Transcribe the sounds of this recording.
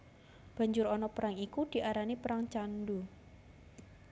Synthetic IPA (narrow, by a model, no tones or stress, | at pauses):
b̥a̤ɲd͡ʒʊɾɔnɔpəɾaŋikud̪̥i̤ʔaɾanipəɾaŋt͡ʃandu